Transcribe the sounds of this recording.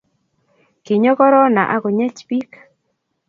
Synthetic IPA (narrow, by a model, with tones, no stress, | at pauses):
ki˨ɲo˦kɔ˦ɾɔ˦na̰˨ʔa˦kɔ˨ɲɛ˦t͡ʃpi˦k